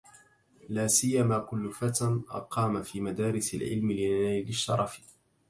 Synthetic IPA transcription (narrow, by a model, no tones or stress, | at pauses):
laːsɪjːamaːkʊlːʊfat̪anʔɑ̰qɑːmafiːmad̪aːɾɪsɪ̰lʕɪ̰lmɪlɪnaːlɪʃːɑ̰ɾˤɑf